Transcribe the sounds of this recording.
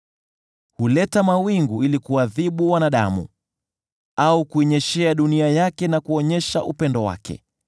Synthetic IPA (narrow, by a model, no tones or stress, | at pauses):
hulɛtamawiŋɡuilikuaðiɓuwanaɗa̰mṵ | aukuɛɲɛʃɛaɗuniajakɛnakuɔɲɛʃaʔupɛndɔwa̰kʰɛ̰